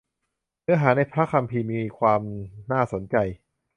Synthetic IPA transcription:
nɯ˦˥ɐɦaː˩˦na˧jpʰɾa˦˥kʰa˧mpʰiː˧miː˧kʰwaː˧mnaː˥˩so˨˩˦nt͡ɕa˧j

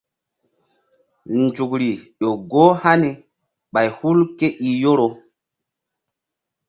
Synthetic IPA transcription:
nd͡ʒu˨kɾi˨ɗo˨ɡo˦ha˦ni˨ | ɓa˨jhu˦lke˦ʔi˨jo˦ɾo˨

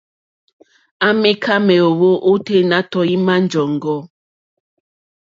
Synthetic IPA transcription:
a˦me˦kʰa˦mɛ˨o˨wo˦ʔo˦te˦na˦tɔ˨i˦ma˦n˦d͡ʒɔ˨ŋ˨ɡɔ˦

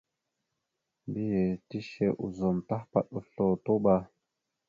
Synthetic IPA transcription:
mbi˦je˨ti˦ʃe˨ʔu˨zo˨mta˦hpa̰˨ɗu˨ɬo˨to˦ɓa˦

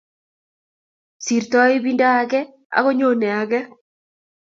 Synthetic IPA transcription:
si˨ɾtɔ˦e˦bi˦nda˦a˨kɛ˦ | a̰˦ɣo˦ɲo˦˨nɛ˨a˨ɡɛ˦

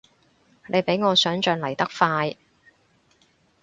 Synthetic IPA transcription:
ne˨˧jpe˨˥jŋɔː˨˧sœː˨˥ŋt͡ʃœː˧ŋlɐ˨˩jt̪ɐ˥k̚faː˧j

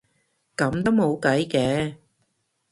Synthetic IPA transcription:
kɐ˨˥mt̪o˥wmo˨˧wkɐ˨˥jkɛː˨˥

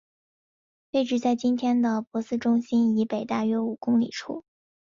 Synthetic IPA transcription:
pe˥˧ɪʈ͡ʂɻ̩˥˧t͡sa˥˩ɪt͡ɕi˥nt̪ʰjɛ˥nd̪ə˨pwɔ˧˥sɹ̩˥ʈ͡ʂʊ˥ŋɕi˥ni˧˥pe˨˩ɪt̪a˥˩ɥɛ˥u˨˩kʊ˥ŋlḭ˨˩ʈ͡ʂʰṵ˥˩

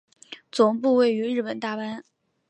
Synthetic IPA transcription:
t͡sʊ˨˩ŋpu˥˧we˥˩ɪy˧˥ɻɻ̩˥˩pə˨˩nt̪a˥˩pa˥n

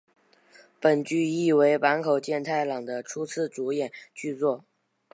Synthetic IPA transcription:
pə˨˩nt͡ɕy˥i˥˩we˧˥ɪpa˧˥nkʰo˨˩ʊt͡ɕjɛ˥˧nt̪ʰa˥˩ɪlɑ˨˩ŋd̪ə˦ʈ͡ʂʰu˥t͡sʰɹ̩˥˩t͡su˧˥jɛ˨˩˦nt͡ɕy˥˧t͡swɔ˥˩

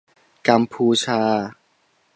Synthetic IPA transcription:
ka˧mpʰuː˧t͡ɕʰaː˧

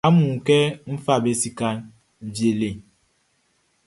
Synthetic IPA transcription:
a˦mu˨kɛ˦m̩˦fa˦˨be˨si˨ka˦n̩˨ | d͡ʒi˨e˨le˨

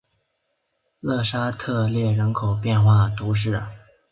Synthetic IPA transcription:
lɤ˥˩ʂa˥t̪ʰɤ˥˧ljɛ˥˩ɻə˧˥nkʰo˨˩ʊpjɛ˥˧nxwa˥˩t̪u˧˥ʂ̬ɻ̩˥˩

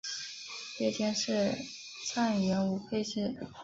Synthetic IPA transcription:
pɛ˥˩t̪ʰjɛ˥nʂɻ̩˥˩ | t͡sʰa˥˩n˨ɥɛ˧˥nu˧˥pʰe˥˧ɪɕi˥˩

